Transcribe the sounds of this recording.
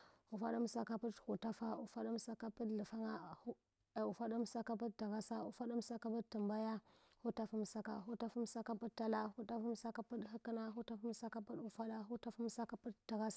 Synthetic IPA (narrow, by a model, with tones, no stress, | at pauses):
u˨fa˦ɗu˦m˦sa˦ka˦pu˦thu˨ta˦fa˦ṵ˨fa˦ɗu˦m˦sa˦ka˦pə˦dlə˨fa˦ŋa˦˨ | u˨fa˦du˦m˦sa˦ka˦p̬ə˦d̚da˨ɣa˦sa˦ṵ˨fa˦du˦m˦sa˦ka˦pə˦tːə˨mba˦ja˦ | hu˦ta˦fu˦m˨sa˦ka̰˨ɦu˦ta˦fu˦m˦sa˦ka˦pu˦tːa˦la˦xu˦ta˦fa˦m˦sa˦ka˦pu˦dɦi˦ki˦na˦ɦu˦ta˦fa˦m˦sa˦ka˦pu˦du˨fa˦da˦ɦu˦ta˦fa˦m˦sa˦ka˦pu˦dda˨ɣa˦s